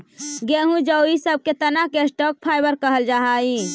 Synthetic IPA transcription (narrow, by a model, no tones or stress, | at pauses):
ɡeɦũd͡ʒəwisəb̚ket̪ənakesʈɔk̚pʰajbəɾkəɦəld͡ʒaɦai